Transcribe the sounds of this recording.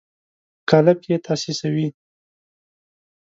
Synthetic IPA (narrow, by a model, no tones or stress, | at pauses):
kalapjet̪ʰɑsesawi